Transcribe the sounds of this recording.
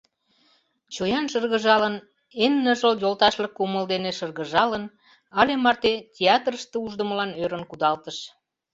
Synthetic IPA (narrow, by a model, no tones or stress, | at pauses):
t͡ɕojɑnʃərɣə̆ʒɑlən | enːəʒəljolt̪ɑʃləkːoməld̪eneʃərɣə̆ʒɑlən | ɑlemɑrt̪etʲeɑt̪rəʃt̪euʒd̪ə̆məlɑnøɾənkud̪ɑlt̪əʃ